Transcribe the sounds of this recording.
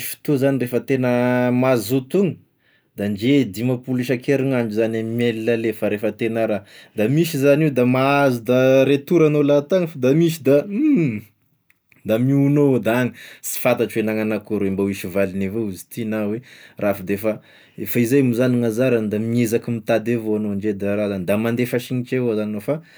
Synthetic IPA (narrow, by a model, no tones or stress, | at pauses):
fi̥t̪ozanirefət̪enəmazut̪uŋə | d̪and͡ʒed̪imapuliʃakeɾiŋaɳɖ͡ʐuzanammelilalefaɾefət̪enaɾad̪amisizanid̪amaazud̪aɾet̪uɾanolat̪aŋfad̪amisid̪a | d̪amiunod̪aaŋəsi̥fat̪aʈ͡ʂwenaŋanakuɾwembawiʃivalinevouzi̥t̪inawerʔafad̪efa | efaizajmuzaniŋazaɾand̪amiezakimit̪ad̪evoanoaɳd͡ʒed̪aɾazand̪amand̪efaʃiɲit͡ʃeazaninofa